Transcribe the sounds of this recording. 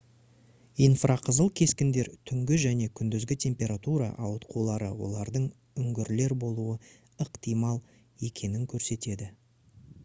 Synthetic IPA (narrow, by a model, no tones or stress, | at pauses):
ijnfrʔaqʰəzəlˠkʲʰe̞skʲɪnd̪e̞ɾt̪ʰʏŋɡʲɪʒæne̞kʲʰʏnd̪ʏzɡʲɪt̪ʲʰe̞mpʲe̞ɾat̪uɾɑ̰ʔɑwət̪qʰulˠɑɾəwo̞̰lˠɑɾd̪əɴ | ʏŋɡʲɪɾle̞ɾbo̞lˠuə | əqt̪ijmɑlˠ | e̞kʲʰe̞nɪŋkʲʰɵɾse̞t̪e̞d̪ɪ